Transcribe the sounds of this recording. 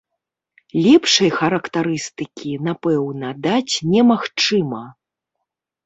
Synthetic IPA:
lʲɛpʂɐjxɐɾɐkt̪aɾɨst̪ɨkʲinapɛwnɐd̪at͡sʲnʲɛmaxt͡ʂɨmɐ

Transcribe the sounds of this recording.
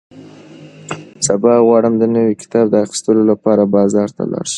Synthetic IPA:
sabɑɣwɑɽəmd̪ənəwikɪ̥t̪ɑb̚d̪əaxɪ̥st̪əlolapɑɾabɑzɑɾt̪a̰lɑ̰ɽʃ

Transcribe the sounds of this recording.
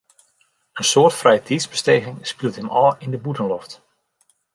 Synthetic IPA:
ənsoːrtfrɛjətʰizbəsteːɣɪŋspilˠtəmɔːlˠɪndəbutənlɔft

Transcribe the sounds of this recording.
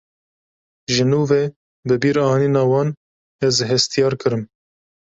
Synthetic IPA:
ʒɨnuːveː | bɨbiːɾɑːniːnɑːwɑːn | ɛzɦɛst̪ijɑːɾkɨɾɨm

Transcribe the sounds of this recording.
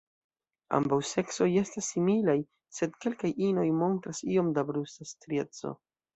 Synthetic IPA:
a̰mbawse̞kso̞je̞stasːimilaj | se̞dke̞lkajino̞jmo̞ntɾasio̞mdabɾusastɾie̞t͡so̞̰

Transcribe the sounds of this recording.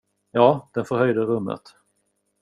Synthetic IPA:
jɑːd̪̥ɛnfœɾhœjd̪əɾɵmːə̰t̪

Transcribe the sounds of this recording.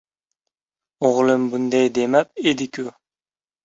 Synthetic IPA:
oʁlˠɨmbund̪ajd̪emæp̚ed̪ɪkʲʰu

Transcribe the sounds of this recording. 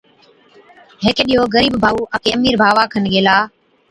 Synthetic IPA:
ɦɪkɗiːɦoːɣəɾiːbbʱaːuːʔəkeːəmiːɾbʱaːʋaːkʰənɡeːlaː

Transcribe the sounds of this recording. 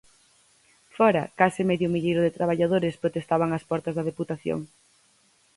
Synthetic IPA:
fɔɾɐ̰kasɪmɛðjʊmiʎejɾʊðet̪ɾaβ̞aʎaðoɾɪspɾot̪est̪aβaŋɐspɔɾt̪ɐzðɐð̞eput̪aθjo̰ŋ

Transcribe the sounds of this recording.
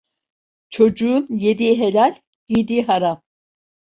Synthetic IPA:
t͡ʃʰo̞d͡ʒuːnjed̪iɦelʲalʲ | ɡ̥id̪iɦaɾam

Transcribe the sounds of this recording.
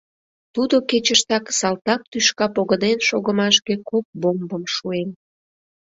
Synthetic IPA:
t̪ud̪oket͡ɕəʃt̪ɑksɑlt̪ɑk̚t̪yʃkɑpoɣəd̪enʃoɣəmɑʃkekop̚bombəmʃuem

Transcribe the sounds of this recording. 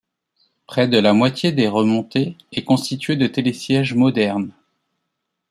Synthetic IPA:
pχɛd̪əlamwat̪jed̪eʁəmɔ̃t̪eɛkɔ̃st̪it̪ɥed̪ət̪elesjɛʒmɔd̪ɛʁn

